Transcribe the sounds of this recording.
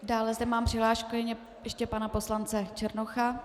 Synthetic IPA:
daːlɛzdɛmaːmpr̥ɪɦlaːʃkujɛɲɛ | jɛʃcɛpanapo̞slant͡sɛt͡ʃɛɾnoxa

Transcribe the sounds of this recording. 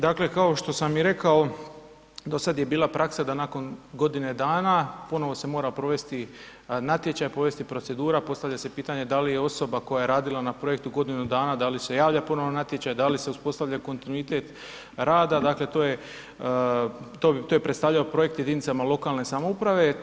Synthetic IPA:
d̪akle̞kao̞ʃt̪o̞samiɾe̞kao̞ | d̪o̞sad̪je̞biːlˠapɾʔaksad̪anako̞nɡo̞d̪ine̞d̪aːnapo̞no̞ʋo̞se̞mo̞ːɾapɾo̞ʋe̞st̪i | nat̪je̞t͡ɕajpɾo̞ʋe̞st̪ipɾo̞t̪se̞d̪uːɾapo̞st̪aʋvʎase̞piːt̪aɲe̞d̪alijeo̞so̞bako̞jaje̞ɾaːd̪ilˠanapɾo̞je̞kt̪uɡo̞d̪inud̪aːnad̪alise̞jaːʋʎapo̞no̞ʋonat̪je̞t͡ɕajd̪alise̞uspo̞st̪aʋʎako̞nt̪inuit̪e̞t̪ | ɾaːd̪ad̪akle̞t̪oːje | t̪o̞t̪ojepɾet̪st̪aʋʎaopɾo̞je̞kt̪je̞d̪init̪samalˠo̞kalne̞samoupɾaʋe

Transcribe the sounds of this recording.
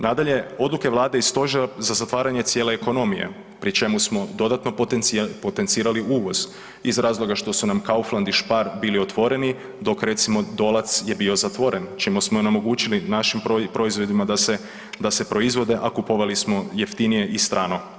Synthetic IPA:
nad̪aʎe̞o̞d̪luke̞ʋlˠaːd̪eist̪o̞ʒeɾazazat̪ʋaːɾaɲe̞t̪sje̞ːle̞ːko̞no̞mijḛ | pɾit͡ʃe̞musmo̞d̪o̞d̪at̪no̞po̞t̪ent̪siːɾaliuːʋo̞z | izɾaːzlˠo̞ɡaʃt̪o̞sunamkauflˠand̪iʃpaɾbiːlio̞t̪ʋo̞ɾe̞ni | d̪o̞kɾe̞t̪simo̞d̪o̞lˠat̪sje̞bio̞zat̪ʋo̞ɾe̞nt͡ʃimusmoonemo̞ɡuːt͡ʃilinaʃimpopɾo̞izʋo̞d̪imad̪ase | d̪ase̞pɾo̞izʋo̞d̪e̞ʔakupoʋalismo̞je̞ft̪inije̞ʔist̪ɾaːno̞

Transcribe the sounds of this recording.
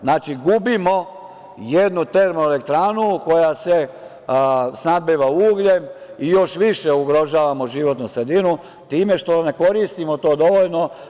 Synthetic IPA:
znaːt͡ʃiɡubimo̞ | jed̪nut̪e̞ɾmoele̞kt̪ɾaːnuko̞jase̞ | snad̪̚biʋauːɡʎemijo̞ʃʋiʃe̞uɡɾo̞ʒaːʋamo̞ʒiʋo̞t̪nusɾe̞d̪inu | t̪iːme̞ʃt̪o̞ne̞ko̞ɾist̪imo̞t̪o̞ːd̪o̞ʋoʎno̞

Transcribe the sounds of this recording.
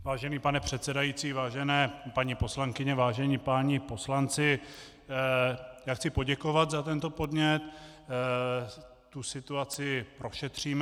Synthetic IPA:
vaːʒɛniːpanɛpr̝̥ɛt̪sɛdajiːt͡siːvaːʒɛnɛːpaɲipo̞slaŋkɪɲɛvaːʒɛɲiːpaɲɪpo̞slant͡sɪ | jaːxt͡sɪpo̞ɟɛko̞vat̪zat̪ɛnt̪o̞po̞dɲɛt̪ | t̪usɪt̪uat͡sɪpɾoʃɛt̪r̝̥iːm

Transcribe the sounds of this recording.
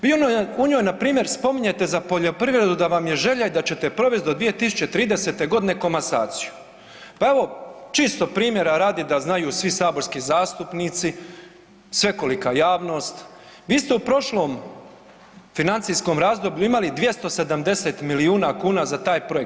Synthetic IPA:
ʋiunouɲojnapɾiːmje̞ɾspo̞miɲe̞t̪e̞zapo̞ʎo̞pɾiːʋɾe̞d̪ud̪aʋamje̞ʒeʎaid̪at͡ɕe̞t̪e̞pɾo̞ʋesd̪od̪ʋije̞t̪isu̥t͡ɕe̞t̪ɾiːd̪e̞se̞t̪e̞ɡo̞d̪ine̞ko̞masa̰ːt̪si̥ju̥ | pae̞ʋo̞t͡ʃist̪o̞pɾiːmje̞ɾaɾaːd̪id̪aznajuːsʋisaːbo̞ɾskizaːst̪upniːt̪si | sʋe̞ko̞likaːjaːʋno̞ːst̪ | ʋiːst̪eupɾo̞ʃlo̞ːm | finant̪sijsko̞ːmɾaːzd̪o̞bʎuimalid̪ʋje̞st̪o̞se̞d̪amd̪e̞se̞t̪miliuːnakuːnazat̪aːjpɾo̞ek̚t̪

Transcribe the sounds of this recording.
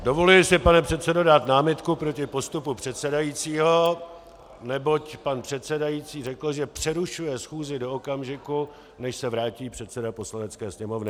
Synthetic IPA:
do̞vo̞lɪlsɪpanɛpr̝̥ɛt̪t͡sɛdodaːt̪naːmɪt̪kupɾo̞cɪpo̞st̪upupr̝̥ɛt̪sɛdajiːt͡siːɦo̞ | nɛbo̞cpanpr̝̥ɛt̪sɛdajiːt͡siːrɛkl̩ʒɛpr̝̥ɛɾuʃujɛsxuːzɪdo̞okamʒɪku | nɛʃsɛvɾaːciːpr̝̥ɛt̪sɛdapo̞slanɛt͡skɛːsɲɛmo̞vnɪ

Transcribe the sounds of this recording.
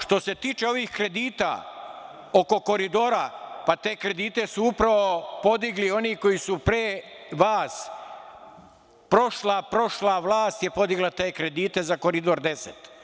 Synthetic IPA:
ʃt̪o̞se̞t̪iːt͡ʃe̞o̞ʋixkɾe̞d̪iːt̪a̰ | o̞ko̞ko̞ɾid̪o̞ːɾa̰pat̪e̞ːkɾe̞d̪iːt̪e̞suupɾaʋo̞po̞d̪iɡlio̞niko̞jisupɾeːʋaːs | pɾo̞ʃlapɾo̞ʃlaʋlaːst̪jepo̞d̪iɡlat̪e̞ːkɾe̞d̪iːt̪e̞zako̞ɾid̪o̞ɾd̪e̞set̪

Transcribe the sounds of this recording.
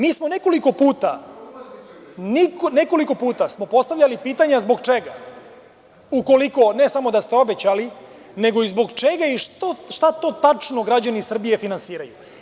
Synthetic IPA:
miːsmo̞ne̞ko̞liko̞puːt̪a | nikone̞ko̞liko̞puːt̪asmo̞po̞st̪aʋʎʲalipiːt̪aɲazbo̞ɡt͡ʂeɡa | uko̞liko̞ne̞samo̞d̪ast̪e̞o̞be̞t͡ɕali | ne̞ɡo̞izbo̞ɡt͡ʃe̞ɡaiʃt̪oʃt̪at̪o̞ːt̪at͡ʂnoɡɾad͡ʑanisr̩bije̞finansiːɾaju

